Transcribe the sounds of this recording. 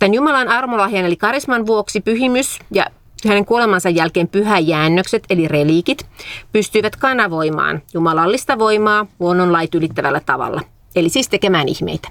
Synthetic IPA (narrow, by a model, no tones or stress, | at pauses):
t̪ænjumɑlɑnɑrmolɑɦiɑnelikɑɾismɑnʋuoksipyɦimysjɑ̰ | hæne̞ŋkuo̞lemɑnsɑjːælkeːmpyɦæjæːnːøkset̪e̞lireliːkit̪pyst̪yiʋæt̪kɑnːɑʋo̞imɑ̰ːnjumɑlɑlːist̪ɑʋo̞imɑːhuonːonlɑjt̪ylit̪ːæʋælːæt̪ɑʋɑ̰lːɑ̰ | elisiːst̪ekemæːnḭhmḛit̪æ̥